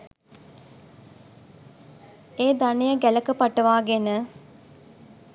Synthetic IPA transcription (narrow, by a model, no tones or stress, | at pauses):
eːd̪anejəɡæləkəpaʈəʋaːɡenə